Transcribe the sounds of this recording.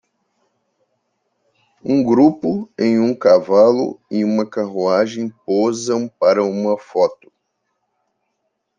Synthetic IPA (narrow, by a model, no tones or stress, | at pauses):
ũɡɾupʊẽj̃ũkavalʊ̰ɪũmɐkaɦuaʒẽj̃pozɐ̃w̃paɾɐũmɐfɔt̪ʊ̥